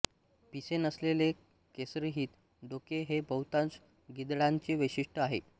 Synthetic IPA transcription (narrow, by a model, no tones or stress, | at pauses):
pisenəslele | kesɾiɦiːt̪ | ɖokeɦebəwt̪ãt͡s | ɡid̪ɭaɲt͡ɕiʋəɕiʂʈəaɦḛ